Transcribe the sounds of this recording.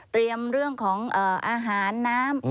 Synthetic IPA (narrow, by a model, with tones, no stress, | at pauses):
t̪ɾi˧əmɾɯ˥˩əŋkʰɔː˩˦ŋʔɤː˨˩ʔaː˧ɦaː˩˦nːaː˦˥m